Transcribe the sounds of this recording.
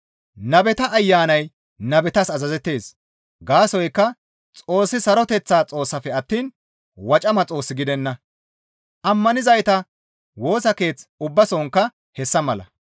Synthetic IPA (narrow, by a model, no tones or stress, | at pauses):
nɐbɛt̪ɐʔːjːaːnɐj | nɐbɛt̪ɐsɐzɐzɛt̪ːe̞ːs | ɡaːsɔjkːɐ | t͡sʼo̞ːsːɪsɐɾɔt̪ɛt͡sːaːt͡sʼo̞ːsːɐfɛɐt̪ːiːn | wɐt͡ʃʼɐmɐt͡sʼo̞ːsːɪɡɪd̪ɛnːɐ | ʔɐmːɐnɪzɐjt̪ɐ | wo̞ːsɐke̞ːt͡sʊbːɐsɔŋkːɐ | hɛsːɐmɐlɐ̰